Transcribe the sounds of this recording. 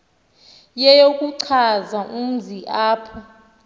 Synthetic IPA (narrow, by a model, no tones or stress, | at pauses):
jɛjokʼuǀʰazaʔum̩ziʔaːpʰɔ